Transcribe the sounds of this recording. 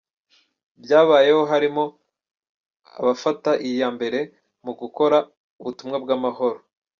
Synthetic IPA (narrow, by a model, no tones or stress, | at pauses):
bjaːβaːje̞ho̞ɦaɾimo̞ | a̰βafataʔijaːmbe̞ɾe̞ | muɡuko̞ɾa | uβutumŋabɡamaɦo̞ɾo